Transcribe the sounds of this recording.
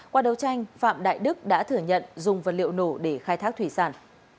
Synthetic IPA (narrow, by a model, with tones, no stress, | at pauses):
kwaː˧ɗə˨˦wt͡ɕa˧jŋ̟fa̰ː˧˨mɗa̰ː˧˨jɗɨ˦˥k̚ɗa̰ː˧˥t̪ʰɨ˧˩əɲə̰˧˨nzʊ˨˩ŋ͡mvə˨˩t̚lḭ˧˨əwno˧˩ɗe˧˩xaː˧jt̪ʰaː˦˥k̚t̪wi˧˩saː˧˩n